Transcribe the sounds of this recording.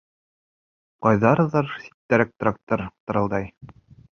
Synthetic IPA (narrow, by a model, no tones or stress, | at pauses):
qɑjðɑɾɤ̆ðɑɾsi̥t̪ːæɾæk̚t̪rɑk̚t̪ɤɾt̪ɤ̆ɾɤ̆lˠd̪ɑj